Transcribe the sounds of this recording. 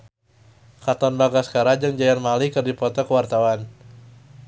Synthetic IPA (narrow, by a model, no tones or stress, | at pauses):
kat̪ɔnbaɡaskaɾad͡ʒaŋd͡ʒajanmalikɨrdipɔt̪ɔkəwart̪awan